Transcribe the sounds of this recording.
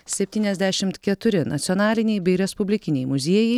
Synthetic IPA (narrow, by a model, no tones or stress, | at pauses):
sʲɛpʲt̪ʲiːnʲɛzʲd̪ʲæʃʲɪmt̪kʲɛt̪ʊɾʲɪnɐ̰t̪sʲɔnɑːlʲɪnʲɛɪbʲɛɪɾʲɛspʊbʲlʲɪkʲɪnʲɛɪmʊzʲiɛjɛɪ